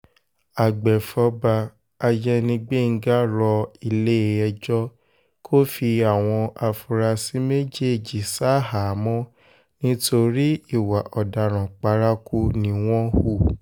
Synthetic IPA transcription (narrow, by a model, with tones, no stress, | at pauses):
a˨ɡ͡bɛ˨fɔ˧ba˧ | a˧d͡ʒɛ˦nĩ˧ɡ͡be˦˨ŋ̩˦ɡa˦ɾɔ˧i˧le˦˧ɛ˧d͡ʒɔ˦ | kʰo˦fi˧a˦˨w̃ɔ̃˧ʔa˧fu˧ɾa˧si˨˦me˦d͡ʒe˦˨d͡ʒi˨sa˦ɦa˨˦mɔ̃˦ | nĩ˦to˧ɾi˦i˦˨wa˨ʔɔ˨da˨ɾ̃ã˨k͡pa˧ɾa˦ku˧nĩ˦w̃ɔ̃˦hu˦˨